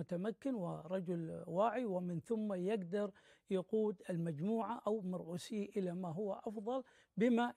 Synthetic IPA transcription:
ʊt̪amakːɪnwɪɾˤɑd͡ʒʊlwaːʕiwɪmɪnθʊmːajɪɡd̪ɑɾˤ | jaquːd̪ɪlmad͡ʒmuːʕaʔawmɑɾˤʕuːsiːʔɪlamaɦʊwːaʔɑfðˤɑl | bɪma

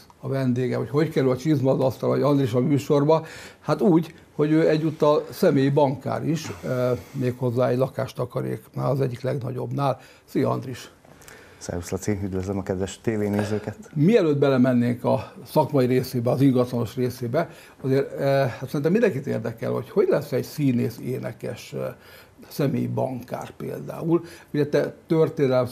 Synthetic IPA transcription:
ɒvɛnd̪eːɡɛmhocʰho̞ckɛɾylɒt͡ʃizmɒzɒst̪ɒloɟɒnd̪riʃɒmyːʃorbɒhat̪uːɟ | ho̞ɟøːɛɟːuːt̪ːɒlsɛmeːjibɒŋka̰ːɾiʃ | meːkho̞zːaːɛɟlɒka̰ːʃt̪ɒkɒɾḛːkna̰ːlɒzɛɟːiklɛɡnɒɟo̞̰bnaːl | siːjɒ̰nd̪riʃ | sɛ̰ɾuslɒsiyd̪vøzlɛmɒkɛd̪ʋɛʃt̪eːveːneːzøːkɛt̪miɛløːd̪̚bɛlɛmɛnːeːŋkɒsɒkmɒjiɾeːseːbɛɒziŋɡɒt̪lɒno̞ʃreːseːbɛ | ɒzeːrhat̪sɛɾinɛmind̪ɛŋkit̪ḛːrd̪ɛkɛ̰lho̞̰cho̞ɟlɛsɛɟsiːneːseːnɛ̰kɛ̰ʃ | sɛmḛːjibɒ̰ŋka̰ːrpḛːld̪a̰ːuluɟɛt̪ɛt̪ørt̪eːnɛlɛm

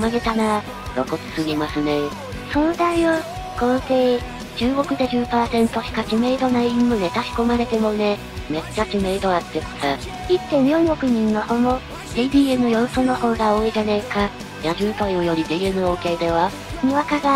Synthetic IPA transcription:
maɡe̞t̪ana | ɾo̰ko̞t͡sɨ̥sɨɡʲimasɨne̞ | sõ̞nzaio | ɡ̥onse | d͡ʑɨːɡo̞kɯ̟d̪eʑɨːpaːsẽ̞nt̪o̞çʲi̥kakʲime̞ːd̪o̞naimːɯ̟ne̞t̪aɕi̥ko̞maɾe̞t̪e̞mo̞ne̞ | me̞t͡ɕt͡ɕːakime̞ːd̪o̞at̪ːeko̥t̪a | it̪ːẽ̞mʲjookɯ̟ɲ̟ĩŋːahomo | d̪̥iːd̪ʲiːe̞mɯ̟jo̞ɾosono̞ho̞ːɡao̞ːiʑanaika | jaʑɨːt̪oiojo̞ɾʲid̪iːemɯ̟oːke̞d̪e̞βa | miβakaɡa

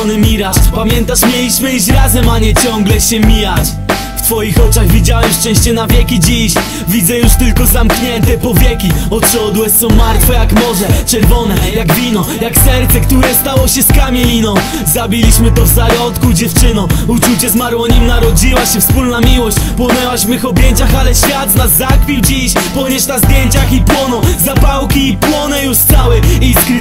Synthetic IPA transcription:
nɪmʲiɾaʂpamʲjɛnt̪aʂmʲjɛlʲiɕmɘiɕɾazɛmaɲɛt͡ɕɔŋɡlɛɕɛmʲijat͡ɕ | ft̪fɔjixɔt͡ʂaɣvʲid͡ʑawɛmʂt͡ʂɛ̃w̃ɕt͡ɕɛnavʲjɛkʲid͡ʑiɕ | vʲidzɛjuʂt̪ɘlkɔzamkɲɛnt̪ɛpɔvʲjɛkʲiɔt̪ɕɔd̪wɛt̪sɔmaɾt̪fɔjakmɔʐɛt͡ʂɛɾvɔnɛjaɡvʲinɔjaksɛɾt̪sɛkt̪uɾɛst̪awɔɕɛskamʲelʲinɔ̃w̃ | zabʲilʲiɕmɘt̪ɔvzajɔt̪kud͡ʑɛft͡ʂɘnɔ̃wut͡ʂut͡ɕɛzmaɾwɔɲɛmnaɾɔd͡ʑiwaɕɛfspulnamʲiwɔɕt͡ɕpwɔnɛwaɕvmɘxɔbʲjɛɲt͡ɕaxalɛɕfʲjad̪znazːakfʲiwd͡ʑiɕpɔɲɛʂt̪azd̪ʲjeɲt͡ɕaxipwɔnɔzapawkʲiːpwɔnɛjuʂssawɛiskɾ

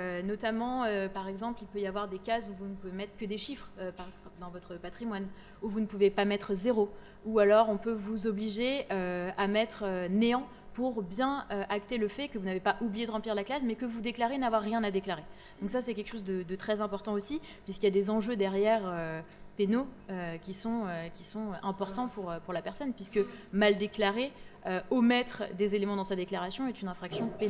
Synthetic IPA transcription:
ønɔt̪amɑ̃øpaʁɛɡzɑ̃plilpøjavwaʁd̪ekazuvunəpuvemɛt̪χə̥kʲəd̪eʃifχøpaʁd̪ɑ̃vɔt̪χəpat̪χimwan | uvunəpuvepamɛt̪χəzeʁo | ualɔʁɔ̃pøvuzɔbliʒeøamɛt̪χøneɑ̃ | puʁbjɛ̃øʔakt̪eləfɛkəvunavepaʔublijed̪əʁɑ̃pliʁlaklasmɛkəvud̪eklaʁenavwaʁːjɛ̃nad̪eklaʁe | d̪̥ɔ̃ksasɛkʲɛlkə̥ʃozd̪əd̪ət̪χɛzɛ̃pɔʁt̪ɑ̃osi | pɥiskʲiljad̪ezɑ̃ʒød̪ɛʁjɛʁøpenoøkʲisɔ̃økʲi̥sɔ̃ɛ̃pɔʁt̪ɑ̃puʁøpuʁlapɛʁsɔnpɥiskəmald̪eklaʁeøomɛt̪χd̪ezelemɑ̃d̪ɑ̃sad̪eklaʁasjɔ̃ɛt̪ynɛ̃fχaksjɔ̃pen

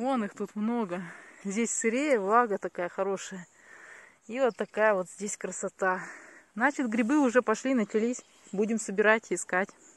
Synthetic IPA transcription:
onɨxt̪ut̪mno̞ɡəzʲdʲesʲsɨɾʲejəvlˠaɡət̪ɐkajəxɐɾo̞ʂɨjə | ivot̪ːɐkajəvot̪zʲdʲesʲkɾəsɐt̪aznat͡ɕɪt̪ɡɾʲɪbɨʊʐɛpɐʂlʲinət͡ɕɪlʲisʲ | budʲɪmsəbʲɪɾatʲɪskatʲ

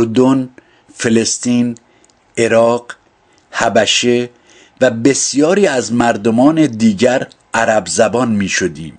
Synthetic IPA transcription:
oɾd̪on | fe̞le̞st̪iːn | e̞ɾɒːɢ | hæbæʃe | væbe̞sjɒːɾiːæzmæɾd̪omɒːne̞d̪iːɟæɾ | ʔæɾæbzæbɒːnmiːʃod̪iːm

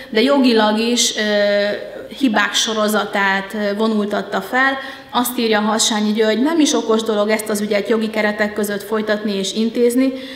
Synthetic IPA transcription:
d̪ɛjo̞ɡilɒɡiʃ | hibaːkʃo̞ɾo̞zɒt̪aːt̪vo̞nult̪ɒt̪ːɒfɛl | ɒst̪iːrjɒːɦɒʃaːɲuɟøoɟnɛmiʃo̞ko̞ʒd̪o̞lo̞ɡɛst̪ɒzyɟɛt̪jo̞ɡikɛɾɛt̪ɛkːø̞zø̞t̪fo̞jt̪ɒt̪nieːʃint̪eːzni

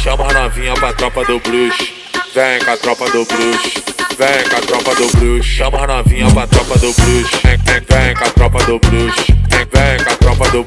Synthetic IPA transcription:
ʃɐ̃mɐnavĩɲɐpɾat̪ɾɔpɐd̪ʊbɾuʃ | vẽkat̪ɾɔpɐd̪ʊbɾuʃvẽkat̪ɾɔpɐd̪ʊbɾuʃʃɐ̃mɐnavĩɲɐpat̪ɾɔpɐd̪ʊbɾuʃɛ̃ẽvẽkat̪ɾɔpɐd̪ʊbluʃẽvẽkat̪ɾɔpɐd̪ʊ

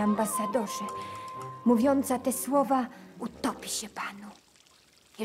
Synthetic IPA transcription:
ambasad̪ɔʐɛ | muvʲjɔnt̪sat̪ɛswɔvaut̪ɔpʲiɕɛpanu

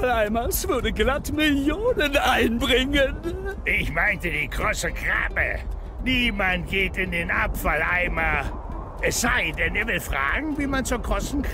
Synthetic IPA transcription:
falaɪmasv̥ʊdəɡlatmɪljoːnənaɪnbʁɪŋənʔɪçmaɪntədiːɡʁosəɡʁa̰ːbə̰ | niːmantɡ̥eːtɪndeːnʔa̰pfalʔaɪma | ʔɛsz̥aɪdɛneːɐvɪlfʁ̥a̰ːɡŋ̩viːmant͡soːɐɡʁɔstn̩k

